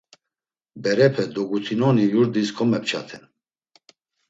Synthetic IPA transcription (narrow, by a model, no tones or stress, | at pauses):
bɛɾɛpʰɛd̪ɔɡut̪ʰinɔnijuɾd̪iskʰɔmɛp̚t͡ʃʰa̰t̪ʰɛn